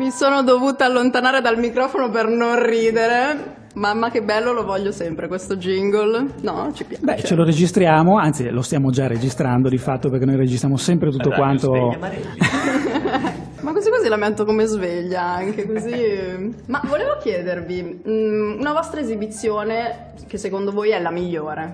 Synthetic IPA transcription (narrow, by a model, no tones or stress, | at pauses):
misoːnod̪ovuːt̪aalːont̪anaːɾed̪almikɾɔːfonopernonriːd̪eɾe | mamːak̟ebːɛlːolovɔʎːosɛmpɾekwest̪od͡ʒiŋɡolnɔt͡ʃipjabɛt͡ʃeloɾed͡ʒist̪ɾjaːmoansilost̪jaːmod͡ʒared͡ʒist̪ɾand̪od̪ifat̪ːopeɾrkenojred͡ʒist̪ɾjamosɛmpɾet̪ut̪ːokwant̪o | makːozikːozilament̪okomezveʎːaaŋk̟ekozi | mavoleːvok̟jɛːd̪ervi | unavɔst̪ɾaezibit̪sːjoːne | kesːekond̪ovojɛlamiʎːoːɾe